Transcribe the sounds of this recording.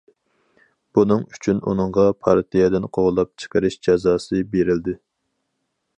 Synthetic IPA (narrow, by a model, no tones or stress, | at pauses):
b̥unɨŋyt͡ʃʰynṵnɨŋʁɑpʰɑɾt̪ʰijɛd̪ɪnqʰoʁlˠɑp̚t͡ʃʰə̥qəɾɪʃd͡ʒɑzɑːsɨbeɾɪld̪ɪ